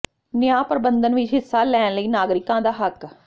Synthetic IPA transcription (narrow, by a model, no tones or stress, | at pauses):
nɪjãːpɾəbənd̪ənʋɪt͡ʃɦɪsːaːlɛːnləiːnaːɡɾɪkãːd̪aːɦək